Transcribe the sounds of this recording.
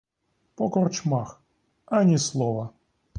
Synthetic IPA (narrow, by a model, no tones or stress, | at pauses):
pɔkɔrt͡ʃmax | anʲislˠɔvɐ